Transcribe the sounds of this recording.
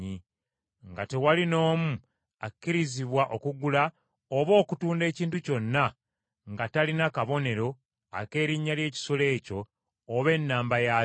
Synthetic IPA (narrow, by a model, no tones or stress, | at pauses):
i | ŋɡate̞walino̞ːmu | akːiɾiziβwaʔo̞kuɡula | oβo̞ːkutuːnde̞ːciːntuco̞nːa | ŋɡatalinakaβo̞ne̞ɾo̞ | a̰ke̞ːɾiɲːalje̞ːci̥sole̞ːco̞ː | βe̞nːaːmbaja